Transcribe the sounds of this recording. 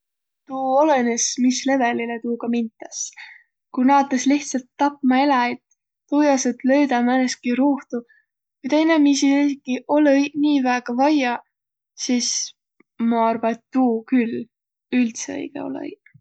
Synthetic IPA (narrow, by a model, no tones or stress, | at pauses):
t̪uːolenesmisle̞velilet̪uːɡ̥ɑmint̪ːˑɑs | kujnɑːt̪ːˑesliht̪sɑlt̪ːɑpˑmɑelɑet̪ː | ujɑset̪ˑle̞ɥd̪ɑmæneskiɾuːht̪u | kujt̪e̞jnemisiiikːiʔo̞leniːvæːɡ̥ɑvɑjɑ | siːs | mɑɑrbɑet̪ːuːkyl | ylt̪seɤ̰jɡ̥ḛo̞̰lḛ